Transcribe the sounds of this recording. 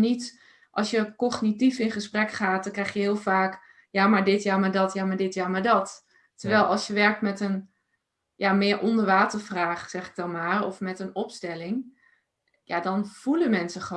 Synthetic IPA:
nit | ʔɑ̰lˠsjəkɔχnitifɪnχəsprɛkχaːt̚dɔŋkrɛjχjəɦɪːlˠvaːk | jamaɹdɪtjamaɹdɑtjaːmaɹdɪtjaːmaɹdɑt | təɹʋɛlˠɑlˠsjəʋɛɹk̚tmɛtən | jamɪːɹʔɔndəɹʋaːtəɹvraːχsɛχɪ̥ɡ̚dɑnmaːɹɔfmɛtənɔpstɛlɪŋ | ja̰dɑnv̥uləmɛnsəχə

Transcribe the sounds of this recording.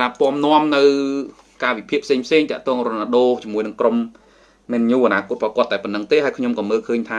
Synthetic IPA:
rappŏəmnŏəmnɨw | kaːʋipʰiəʔpʰseːŋpʰseːŋt̪ɛ̆əʔt̪ɔːŋronaɗoːt͡ɕiəmuəjnɨŋkromː | eːnɲuːʔanaːkŭət̪̚pʰɔːkŏət̪̚ɗaɛpənːəŋt̪eːhaəjkʰɲomkɑːməːlkʰəːɲt̪ʰaː

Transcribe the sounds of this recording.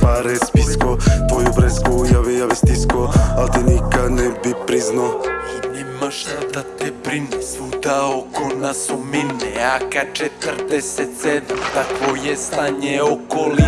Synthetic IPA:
paɾɛspiskot̪vojobɾɛskoujaʋejaʋɛst̪iskoalt̪inikanɛbipɾiznoinɛmaʃt̪ad̪at̪ɛpɾinɛsud̪aokonasuminɛakat͡ʃɛt̪rd̪ɛsɛt̪sɛd̪umt̪at̪vojɛst̪aɲeokoli

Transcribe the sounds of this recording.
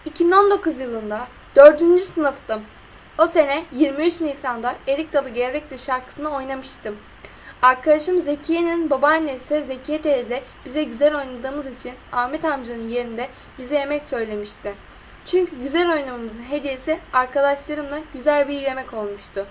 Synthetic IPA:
icʰibino̞nd̪o̞kuzjɯlˠɯnd̪a | d̪̥ø̞ɾd̪ynd͡ʒysɯnɯft̪ɯ | o̞se̞nɛjiɾmiyt͡ʃnijsand̪ae̞ɾic̚t̪ʰalˠɯɟelɾɛc̚lʲɛʃaɾkʰɯ̥sɯnɯo̞jnamɯʃt̪ʰɯ | aɾkʰad̪aʃɯmze̞cʰijeninbabanesɛzecʰijɛt̪ʰezɛb̥izɛɟyzælʲo̞jnad̪ɯːmɯzit͡ʃʰinaːmɛt̪amd͡ʒanɯnje̞ɾind̪ɛ | bizɛje̞mɛcsø̞jlʲe̞miʃt̪ɪ | t͡ʃʰyɲcʰyɟyzælʲo̞jnamamɯzɯnɦe̞d̪ije̞siaɾkʰad̪aʃlˠaɾɯmlˠaɟyzælʲbilʲe̞mɛco̞lˠmuʃt̪ʰʊ

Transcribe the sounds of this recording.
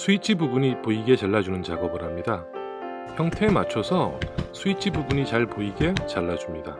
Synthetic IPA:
sʰuit͡ɕʰibubuɲipoiɡe̞t͡ɕaɭːad͡ʑunɯnt͡ɕaɡʌbɯɾɦamɲida | çjʌŋtʰe̞mat͡ɕʰʌsʰʌsʰuit͡ɕʰibubuɲit͡ɕaɭpoiɡe̞t͡ɕaɭːad͡ʑumɲida

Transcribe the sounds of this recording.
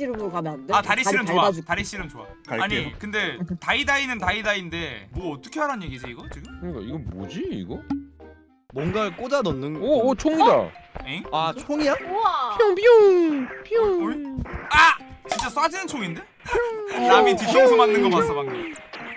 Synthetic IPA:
ɾɯamataɾiɕɕiɾɯmt͡ɕoataɾiɕ͈iɾɯmt͡ɕoa̰ | kaɭaɲikɯnde̞taidainɯntaidainde̞mwʌːt͈ʌ̥kʰe̞ɦaɾanje̞ɡid͡ʑiːɡʌt͡ɕiɡɯmkɯɲik͈aiɡʌbo̰d͡ʑiḭɡʌ | mwʌnɡak͈od͡ʑanʌnːɯnot͡ɕʰoŋida̰eat͡ɕʰoŋiapʰoŋpʰopʰooiat͡ɕint͡ɕ͈as͈wad͡ʑinɯnt͡ɕʰoŋinde̞ | namitit͡ɕ͈ʰoŋsʰomanːɯnɡʌmas͈amaŋi

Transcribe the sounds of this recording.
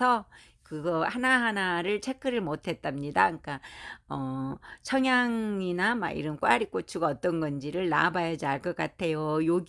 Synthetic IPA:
ʌ | kɯɡʌhanaɦanaɾɯɭt͡ɕʰe̞k͈ʰɯɾɯɭmotʰe̞t̚t͈amɲidaɯɲk͈aʌt͡ɕʰʌŋjaŋinama̰ḭɾʌnk͈waɾik͈ot͡ɕʰuɡʌt͈ʌnɡʌnd͡ʑiɾɯɭna̰bajʌd͡ʑiaɭk͈ʌk͈atʰe̞jojoɡ

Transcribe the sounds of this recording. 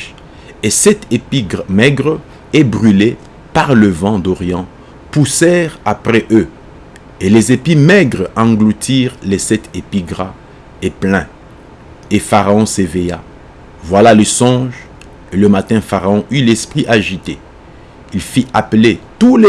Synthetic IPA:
esɛt̪epiɡʁmɛɡʁ | ɛbʁyle | paʁləvɑ̃d̪ɔʁjɑ̃ | pusɛʁapχɛʔø | elezepimɛɡʁɑ̃ɡlut̪ʰiʁlesɛt̪epiɡʁa | eplɛ̃ | efaʁaɔ̃sevɛja̰ | vwalalesɔ̃ʒ | eləmat̪ɛ̃faʁaɔ̃ʔylɛspχiʔaʒit̪e | ilfiʔaplet̪ule

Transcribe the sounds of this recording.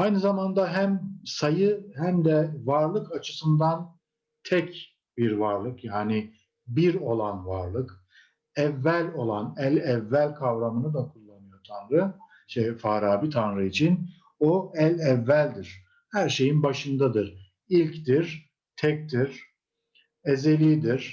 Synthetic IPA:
ajnɯzamand̪aɦæmsajɯhæmd̪ɛvaɾlˠɯkat͡ʃʰɯ̥sɯnd̪an | t̪ʰɛc | biɾvaɾlˠɯkjaːni | biɾo̞lˠanvaɾlˠɯk | ɛvːælʲo̞lˠanɛlʲɛvːælʲkʰavɾamɯnɯd̪akʰulˠːanɯjo̞t̪ʰanɾɯ | iʃt̪ɛfaːɾaːbit̪ʰanɾɯit͡ʃʰin | oɛlʲɛvːælʲd̪iɾ̥ | hæɾʃe̞jinbaʃɯnd̪ad̪ɯɾ | ilʲcd̪iɾ | t̪ʰɛc̚t̪ʰiɾ̥ | ezelʲid̪iɾ̥

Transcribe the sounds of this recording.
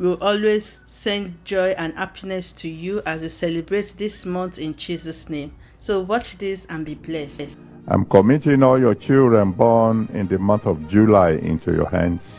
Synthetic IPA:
wilʔɔlwez̥ | sɛ̃ndd͡ʒɔɪʔãnhapʰinɛstʰujuʔazisɛlibɹetðismɔ̃nθɪ̃nd͡ʒizɔsnẽm | sowɔt͡ʃðisãnbiblɛss | ʔã̰ɪ̃mkɔmitĩŋɔljɔt͡ʃildɹɛ̃nbɔnɪ̰̃ndəmʌ̃nθɔvd͡ʒulaɪḭ̃ntṵjɔ̰hæ̰̃ns

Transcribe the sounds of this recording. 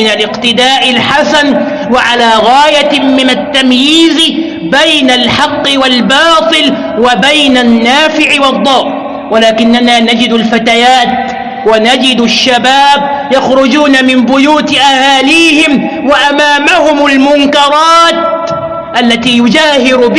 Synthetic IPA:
ɪnalʔɪqt̪ɪd̪aːʔɪlħasan | waʕalaːɣaːjamɪnat̪ːamjiːz | bajnalħɑqːɨwalbɑːt̪ˤɨl | wabajnanːaːfɪʕɪwɑd̪ˤːɑːʔ | walaːkɪnːanaːnad͡ʒɪd̪alfat̪ajaːt̪ | wanad͡ʒɪd̪aʃːabaːb | jaxɾʊd͡ʒuːnamɪmbʊjuːt̪ʔahaːliːhɪm | waʔamaːmahʊmalmʊŋkɑɾˤɑːt̪̚ | ʔalːat̪iːjʊd͡ʒaːhɪɾʊb

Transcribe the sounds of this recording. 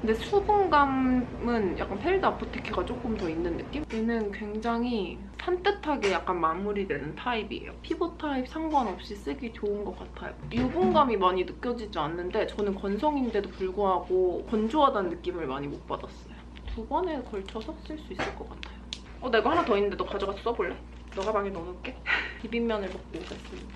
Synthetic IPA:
kɯnde̞sʰuboŋɡamɯnja̰k͈anpʰeɭdɯapʰotʰekʰiɡat͡ɕ͈ok͈ɯmtʌinːɯnːɯk͈imenɯnkwe̞ŋd͡ʑaŋɦi | sʰant͈ɯtʰaɡe̞jak͈anmamuɾidwe̞nɯntʰaibḭḛjo̰pʰibotʰaip̚sʰaŋɡwanʌp̚ɕ͈is͈ɯɡit͡ɕounɡʌk͈atʰajo̰jubuŋɡamimaɲinɯk͈jʌd͡ʑid͡ʑianːɯnde̞t͡ɕʌnɯnkʌnsʰʌŋinde̞dopuɭɡuɦaɡokʌnd͡ʑoɦadanːɯk͈imɯɭma̰ɲimok̚p͈adas͈ʌjo | tubʌne̞kʌɭt͡ɕʰʌsʰʌs͈ɯɭs͈uis͈ɯɭk͈ʌk͈atʰajo | ʌne̞ɡahanatʌinːɯnd̪edokad͡ʑʌɡas͈ʰu̥s͈ʌboɭːe̞ | nʌɡabaŋenʌnɯk͈e̞pibimːjʌnɯɭmʌk̚k͈okas͈ɯmɲida

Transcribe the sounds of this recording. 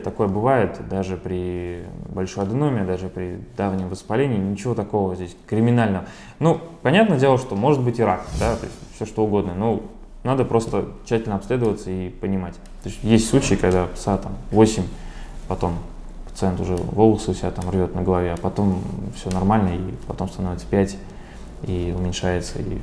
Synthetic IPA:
t̪ɐko̞jəbɨvajɪt̪d̪aʐɨpɾʲɪbɐlʲʂo̞jɐd̪ɨnomʲɪəd̪aʐɨpɾʲɪd̪avnʲɪmvəspɐlʲenʲɪːnʲɪt͡ɕɪvo̞t̪ɐko̞vəzʲdʲesʲkɾʲɪmʲɪnalʲnəvə | nupɐnʲat̪̚nədʲelˠəʂt̪o̞mo̞ʐɨt̪̚bɨtʲɪɾak̪d̪at̪o̞̰ɪsʲtʲfsʲoʂt̪o̞ʊɡo̞d̪nəno | nad̪əpɾʔo̞st̪ət͡ɕːætʲɪlʲnəɐpslʲe̞d̪əvət̪səipənʲɪmatʲ | t̪osʲtʲjesʲtʲsˠut͡ɕɪːkɐɡd̪asat̪amvo̞sʲɪmʲpɐt̪o̞mpə̥t̪sɨɛnt̪ʊʐɛ̰vo̞lˠəsəʊsʲɪbʲat̪amrvʲo̞t̪nəɡəlˠɐvʲeɐpɐt̪o̞mfsʲonɐrmalʲnəipɐt̪o̞mst̪ɐno̞vʲɪt̪sə̥pʲætʲ | iʊmʲɪnʲʂajɪt̪sə̰ḭ

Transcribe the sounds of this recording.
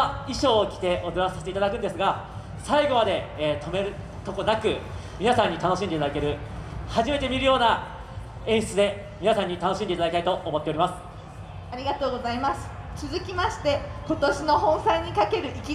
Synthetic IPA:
iɕo̞ːkʲi̥t̪e̞ʔod̪easaɕi̥t̪e̞it̪ad̪akɯ̃nd̪esɨɡa | saiɡo̞mad̪e̞ːt̪ʰo̞me̞ɾɯ̟ | t̪o̞ko̞nakɯ̟ | mʲinasãɲ̟ːit̪ano̞ɕĩnd̪eit̪ad̪akeɾɯ̟haʑime̞t̪e̞mʲiɾɯ̟jo̞ːna | ẽ̞ɰ̃ɕi̥t͡sɨd̪e̞ | mʲinasãɲ̟ːit̪anoɕĩnd̪e̞it̪ad̪kit̪ait̪o̞ːmo̞t̪ːe̞oɾimasɨ̥ | aɾʲiɡat̪o̞ːɡo̞zaimasɨ̥ | t͡sɨzɨkʲimaɕi̥t̪e̞ko̞t̪o̞ɕino̞ɦõ̞ɰ̃saiɲ̟ikake̞ɾɯ̟ʔikʲi

